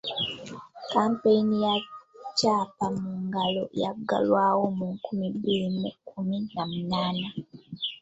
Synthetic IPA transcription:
kaːmpeinijacaːpamuːŋɡalo̞̰ja̰ɡa̰lwaːwo̞muŋkumibiɾimukuminamunaːna

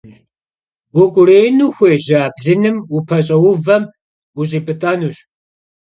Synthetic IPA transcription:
wʊkʷʼʊreːjnuːxʷeːʑɐːbɮɨnɨmupʰɐɕ̬ʼɐwʊvɐm | uɕʼiːpʼɨtʼaːnuːɕ

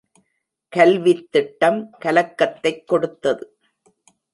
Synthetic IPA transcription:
kɐlʋɪt̪ːɪʈːɐmkɐlɐkːɐt̪ːɐɪkːɔɽɯt̪ːɐðɯ

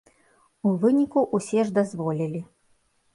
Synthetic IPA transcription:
uvɨnʲikuʔusʲɛʐd̪azvɔlʲilʲi

